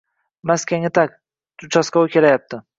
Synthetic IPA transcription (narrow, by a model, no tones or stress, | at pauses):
maskʲʰaŋɪt̪ʰakʲ | t̪ʰʊt͡ʃʰasqawkʲe̞lajap̚t̪ʰɪ